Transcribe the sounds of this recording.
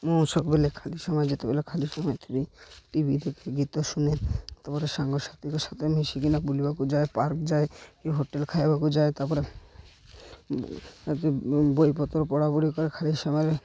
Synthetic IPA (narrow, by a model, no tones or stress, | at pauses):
moʃɔkbelekʰaliʃɔmɔed͡ʑet̪ebelekʰaliʃɔmɔet̪ʰebiʈibid̪ʱekʰeɡit̪oʃunet̪aɾpɔɾeʃaŋɡoʃat̪ɾikeʃat̪ʰemiʃikinakbulibakud͡ʑaepaɾkd͡ʑaeeɦoʈelkʰaebakud͡ʑaet̪aɾpɔɾe | t̪bojpɔt̪oɾpɔɽaboɾikɔɾekʰaliʃɔmɔeɾ